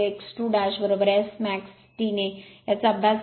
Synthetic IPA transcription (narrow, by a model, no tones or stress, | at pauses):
eeksʈuɖaɕʋəɾʋəɾasmæks | ʈ̪inejat͡saəbʱja